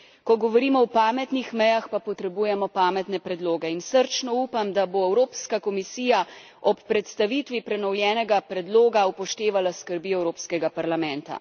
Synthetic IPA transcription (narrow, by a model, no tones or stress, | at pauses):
kɔɡɔʋɔɾiːmɔwpaːmɛt̪nixmɛjaxpapɔt̪ɾɛbuːjɛmɔpaːmɛt̪nɛpɾɛd̪loːɡɛinsəɾt͡ʃnɔuːpamd̪aboɛwɾoːpskakɔmisiːja | ɔpːɾɛt̪st̪aʋit̪ʋipɾɛnɔwljɛːnɛɡapɾɛd̪loːɡaupɔʃt̪eːʋalaskəɾbiːɛwɾoːpskɛɡapaɾlamɛ̃nt̪a̰